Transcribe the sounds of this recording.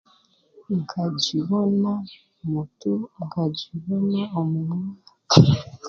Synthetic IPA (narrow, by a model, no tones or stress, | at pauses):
ŋɡad͡ʒiβɔna | mutuŋɡad͡ʒiβɔnaɔmuŋak